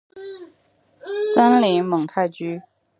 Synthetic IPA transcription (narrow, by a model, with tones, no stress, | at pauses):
sa˥nli˧˥ŋmɤ˨˩ŋt̪ʰa˥˧˩ɪt͡ɕy˥